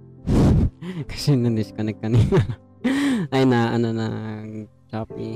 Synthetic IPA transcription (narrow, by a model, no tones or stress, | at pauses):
kɐ̥sɛnɐnɪskɐnɐɡ̚kːɐniːna | ʔɐjnaʔɐnana | t͡ʃaːp̚i